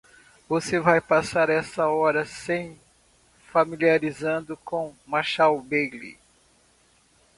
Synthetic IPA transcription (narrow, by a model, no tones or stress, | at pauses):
vosevajpasaɾɛsɐɔɾɐsẽj̃ | familiaɾizɐ̃nd̪ʊkõmaʃawbelḭ